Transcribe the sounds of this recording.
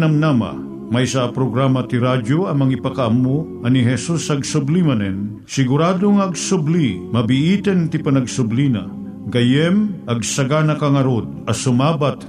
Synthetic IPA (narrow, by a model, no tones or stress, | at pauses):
nɐmnama̰ | majsaʔapɾoɡɾamɐt̪iɾadjoɐmɐŋipakaʔamːo | ɐniɦɛsusɐɡsʊblimɐnɛn | sɪɡʊɾaːd̪oŋaɐɡsʊblimɐbiʔit̪ɛnt̪ipɐnɐɡsʊblina̰ | ɡɐjɛmʔɐɡ̚sɐɡanɐkaŋɐɾod̪̚ɐsʊmabat̪